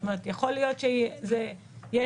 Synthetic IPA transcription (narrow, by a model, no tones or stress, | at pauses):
meʁet̪jaχolijo̞t̪ʃeze | jɛ